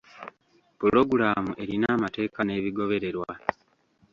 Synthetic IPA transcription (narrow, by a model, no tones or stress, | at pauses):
puɾo̞ɡuɾaːmuʔe̞ɾinaːmate̞ːkane̞ːβiɡo̞βe̞ɾe̞ɾwa